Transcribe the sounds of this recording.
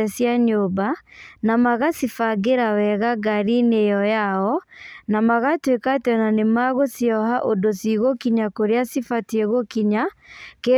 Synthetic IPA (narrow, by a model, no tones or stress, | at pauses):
ɛsjaɲobanamaɣasifaɡeɾawɛɣaɡaɾinejɔjaɔnamaɣatwekatɔnanemaɣosiɔɦaʔodosiɣokiɲakoɾeasifatiɛɣokiɲake